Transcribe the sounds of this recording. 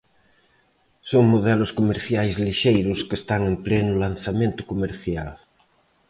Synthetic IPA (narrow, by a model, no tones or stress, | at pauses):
soŋmoðɛlʊskomeɾθjajzliʃejɾʊskest̪aŋẽmplɛnʊlan̟θamẽnt̪ʊkomeɾθjal